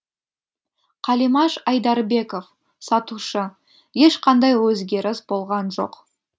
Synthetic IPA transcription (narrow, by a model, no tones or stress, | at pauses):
qʰɑlimɑʃɑjd̪ɑɾbe̞ko̞f | sɑt̪uʃə | je̞ʃqʰɑnd̪ɑjwɵzɡʲe̞ɾɪsbo̞lˠʁɑnʒo̞̰q